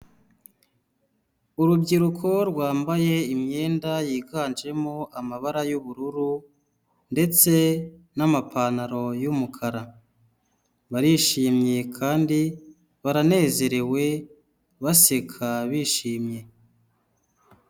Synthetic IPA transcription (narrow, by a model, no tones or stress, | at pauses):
uɾubɟiɾukʰo̞ɾɡwaːmbaje̞imɲe̞ːndajiːɡaːnd͡ʒe̞moamaβaɾajuβuɾuɾu | nde̞t͡se̞namapʰanaɾo̞jumukʰaɾa | βaɾiʃiːmɲe̞kʰaːndi | βaɾane̞ːze̞ɾe̞we̞ | βase̞kʰaβiːʃiːmɲe̞